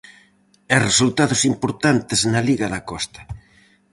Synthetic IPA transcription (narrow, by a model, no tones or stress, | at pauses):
ɛresult̪aðʊsimpoɾt̪ant̪ɪznɐliɣɐðɐkɔst̪ɐ̥